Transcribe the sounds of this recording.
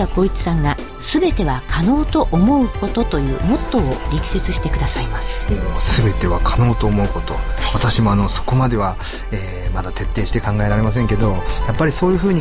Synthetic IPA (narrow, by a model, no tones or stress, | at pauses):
ako̞ːit͡sɨ̥sãŋɡa | sɨbe̞t̪e̞βakʰano̞ːt̪o̞ʔomo̞ɯ̟ko̞t̪o̞t̪o̞jɯ̟ːmo̞t̪ːo̞ːɾʲikʲi̥se̞t͡sɨɕi̥t̪e̞kɯ̟d̪asaimasɨ̥sɨbe̞t̪e̞βakʰano̞ːt̪o̞ːmo̞ɯ̟ko̞t̪o̞at̪aɕimo̞ano̞so̞̥ko̞mad̪e̞βa | eː | mad̪at̪e̞t̪ːe̞ːɕi̥t̪e̞kãŋɡae̞ɾaɾe̞mas̬ẽ̞ŋke̞d̪o̞japːaɾʲiso̞ːjɯ̟ːɸɯ̟ːɲ̟i